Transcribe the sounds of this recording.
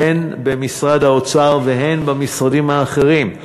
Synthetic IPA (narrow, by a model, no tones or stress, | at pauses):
enbemisʁad̪haot͡saʁveɦenbamisʁadimhaːχe̞ʁim